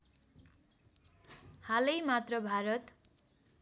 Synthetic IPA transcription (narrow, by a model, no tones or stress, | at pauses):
halʌjmat̪rʌbʱaɾʌt̪